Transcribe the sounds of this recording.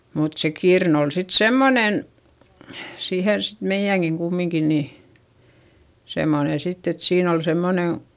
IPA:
mut se kirn ol sit semːonen siːhen sit meij̆æŋɡ̊iŋ kumːiŋki ni semːone sitː et siːn ol semːone

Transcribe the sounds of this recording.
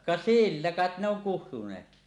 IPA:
kɑ silːæ kɑˑet ne oŋ kuhtunˑeːtki

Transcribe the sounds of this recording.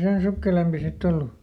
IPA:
sen sukːelempi sitː olːu

